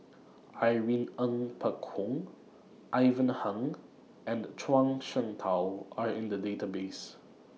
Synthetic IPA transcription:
ʔajɹĩnə̃ŋpʰəkʰũŋ | ʔaɪvə̃nhãŋ | ɛ̃ntʰɹãŋʃə̃ŋtʰawaɹɪ̃ndədetabes

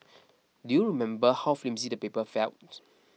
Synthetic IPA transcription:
dujuɹimɛ̃mbəhawflɪ̃mzidəpepəfɛlt

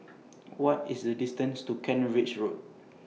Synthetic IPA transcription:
wɔtisdədistə̃nstukʰɛ̃nɹit͡ʃɹot̚

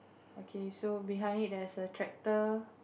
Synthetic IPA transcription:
okʰesobiɦãj̃nit̚dɛsətʰɹɛk̚tə

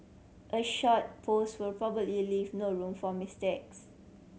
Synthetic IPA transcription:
ʔəʃɔt̚pʰoswilpɹɔbəblilivnoɹũmfɔmisteks

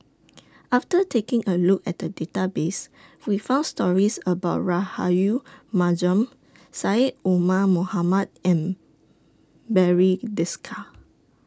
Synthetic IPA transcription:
ʔaftətʰekɪ̃ŋʔəluk̚ɛt̚dədetabes | wifãʊ̃ndstɔɹisəbaʊt̚ɹahajumad͡ʒə̃m | sait̚omamohamad̚ɛ̃n | bɛɹidɛskʰa

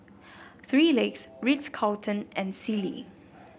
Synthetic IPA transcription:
θɹiːleksɹitskʰɔltʰə̃nʔɛ̃nsilḭ

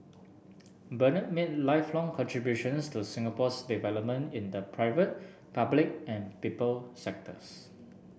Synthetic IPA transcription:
bənət̚met̚laɪflɔ̃ŋkʰɔ̃ntɹibjuʃə̃nstusɪ̃ŋəpɔsdivɛlɔp̚mə̃nɪ̃ndəpʰɹaɪvət̚ | pablɪk̚ɛ̃npipəlsɛk̚tʰə̰s

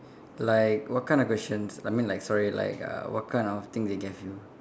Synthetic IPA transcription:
laɪk̚wɔt̚kãɪ̃ndɔkwɛst͡ʃə̃nsa̰ɪmĩnlaɪksɔɹila̰ɪkʌ̰wɔ̰t̚kʰãɪ̃nɔft̪ĩŋsdeɡevju

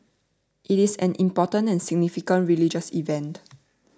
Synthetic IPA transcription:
ʔitisɛ̃nʔĩmpɔtə̃ntɛ̃nsiɡ̚nifikə̃ntɹilid͡ʒəsivɛ̃nt

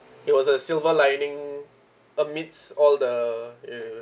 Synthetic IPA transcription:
it̚wɔsəsilvəlãjnɪ̃ŋ | əmidsɔldə

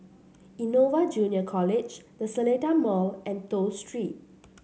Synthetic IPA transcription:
inovad͡ʒũnjəkʰɔlɪd͡ʒdəsənetamɔlʔɛ̃ntostɹit̚

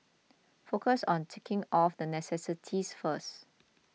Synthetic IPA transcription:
fokəsɔ̃ntʰekɪ̃ŋɔfdənɛsɛsitʰisfəs

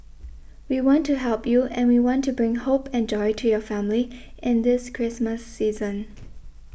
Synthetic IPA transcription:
wiwɔ̃ntʰuɦɛlpʰjuɛ̃nwiwɔ̃ntʰubɹɪ̃ŋhoʊpɛ̃nd͡ʒɔɪtʰujɔfæ̃mli | ʔɪ̃nðɪskʰɹ̥ɪsməsːiːzə̃n

